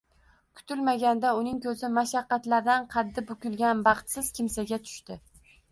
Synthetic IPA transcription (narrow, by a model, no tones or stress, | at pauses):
kʲʰʊ̥t̪ʰɪlmaɡʲand̪aʊnɪŋkʲʰɵzɪmaʃɑqːɑt̪laɾd̪anqʰɑd̪ːɪbʊkʲʊlˠɡʲanbɑχt̪sɪz̥kʲʰɪmsaɡʲat̪ʰʊ̥ʃt̪ɪ